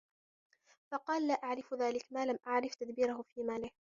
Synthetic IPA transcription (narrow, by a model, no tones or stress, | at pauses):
fɑqɑːlːaːʔaʕɾɪfðaːlɪkmaːlamʔaʕɾɪft̪ad̪biːɾahʊfiːmaːlɪh